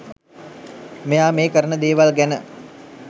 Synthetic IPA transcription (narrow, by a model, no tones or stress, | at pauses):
mejaːmeːkəɾənəd̪eːʋalɡænə